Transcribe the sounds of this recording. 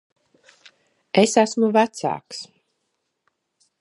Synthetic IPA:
esæsmuvæt̪sa̰ːks

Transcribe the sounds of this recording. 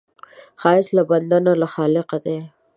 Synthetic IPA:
xɑːɪslaband̪analaxɑːlɪqad̪e

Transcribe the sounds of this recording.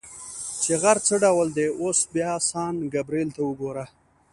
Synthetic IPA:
t͡ʃeɣaɾt͡səɖawəld̪eosbjɑsɑːnɡabɾelt̪aəɡoɾa

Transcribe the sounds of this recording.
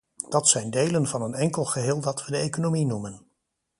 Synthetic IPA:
d̥ɑtsɛjndejlənvɑnənɛŋkəlˠχəɦɪːlˠdɑtʋədəejkonominumən

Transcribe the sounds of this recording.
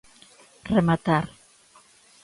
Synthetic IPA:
remat̪aɾ

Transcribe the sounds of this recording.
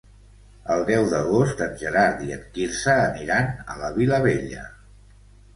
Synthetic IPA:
əlˠd̪ɛwðəɣost̪ənʲʒəɾaɾðiət̪kiɾsəːniɾanə̰ləβiləβ̞eʎə

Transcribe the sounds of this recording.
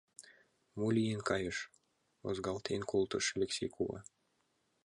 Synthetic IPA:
mulʲijenkɑjɤʃ | o̰zɡɑlˠt̪ʰenkolˠt̪ɤ̆ʃelʲeksʲejkuβɑ̰

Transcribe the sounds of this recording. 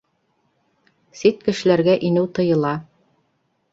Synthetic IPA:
sit̪kɘ̆ʃɘ̆læɾɡæʔinɘwt̪ɤ̆jɤ̆lˠɑ

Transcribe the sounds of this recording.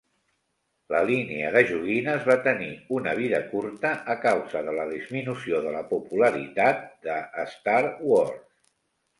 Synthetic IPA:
ləliniə̰ðəʒuɣinəzβat̪əniunəβ̞iðə̰kuɾt̪əʔːkawzəðələðizminusioðələpupuləɾit̪at̪̚d̪əːst̪aɾwors

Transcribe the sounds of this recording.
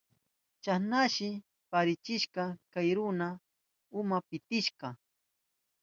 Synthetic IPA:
t͡ʃanaʃɪ | paɾɪt͡ʃɪʃqɑkajɾʊna | ʊmapɪt̪ɪʃqɑ

